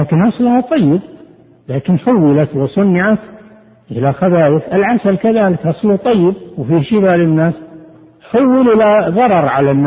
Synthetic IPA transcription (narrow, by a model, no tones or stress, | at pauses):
aːkɪnʔɑsˤlhɑt̪ˤɑjːɪb̚ | laːkɪnħʊwːɪlat̪wɪsˤɑnːɪʕat̪ | ʔɪlaxabaːjɪfɪlʕasalkaðaːlɪkʔɑsˤlut̪ˤɑjːɪb̚wfiːʃibaːlɪnːaːs | ħʊwːilʔɪlaðˤɑɾˤɑɾˤʕalanːa